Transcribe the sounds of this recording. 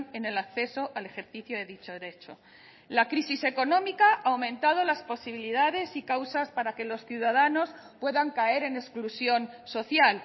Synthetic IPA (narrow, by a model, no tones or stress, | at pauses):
nene̞lakθe̞so̞ʔale̞xe̞ɾθiθjoðe̞ðit͡ʃo̞ðeɾet͡ʃo̞ | lakɾisise̞ko̞nõ̞mikaʔaːwmẽ̞nt̪að̞o̞laspo̞siβ̞iliðaðe̞sikawsaspaɾake̞lo̞sθjuðað̞ano̞s | pwe̞ðaŋkae̞ɾe̞ne̞sklusjo̞nso̞θjal